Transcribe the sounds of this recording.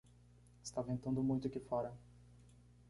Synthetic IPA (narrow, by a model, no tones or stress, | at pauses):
ɪ̥st̪avẽnt̪ɐ̃nd̪ʊmũj̃t̪ʊkɪfɔɾɐ